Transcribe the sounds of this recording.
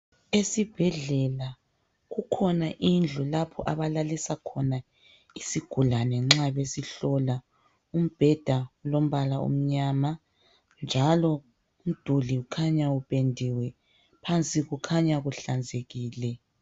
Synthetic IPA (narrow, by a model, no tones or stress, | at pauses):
esib̥ʱɛɮɛla | ɣukʰɔnaʔind͡ɮʱulapʰɔ̰ʔaβalalisakʰɔna | isiɡ̥ʱulanɛŋ͡ǁaβesiɬɔla | um̩b̥ʱɛd̥ʱaulom̩βalaṵm̩ɲaːma | nd͡ʒʱalɔ | um̩d̥ʱuliukʰaɲaupʰʼendʱiwɛ | pʰant͡sʼiɣukʰaɲaɣuɬand͡zʱeɣiːlɛ